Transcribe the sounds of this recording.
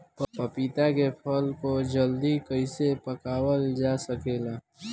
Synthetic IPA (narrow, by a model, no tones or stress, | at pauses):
ppəpit̪akepʰəlkod͡ʒəld̪ikəɪsepəkaːwəld͡ʒaːsəkeːlaː